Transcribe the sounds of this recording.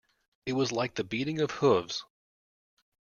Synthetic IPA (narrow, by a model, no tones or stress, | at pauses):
ɨt̚wʌzlaɪk̚ðɨbiɾɪ̃ŋʌv̥hʊvz̥